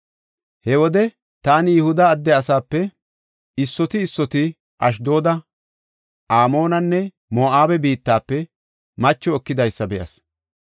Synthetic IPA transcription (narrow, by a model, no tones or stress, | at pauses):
hɛwɔd̪ɛ | t̪aːnɪjɛhʊd̪ɐːd̪ːɛɐsaːpːɛ | ɪsːɔt̪ɪːsːɔt̪ɪ | ʔɐʃ̬d̪o̞ːd̪ɐ | ʔaːmo̞ːnɐnːɛ | moːʔaːbɛbiːt̪ːaːpːɛ | mɐt͡ʃːɔːkːɪd̪ɐjsːɐbɛʔɐ̰s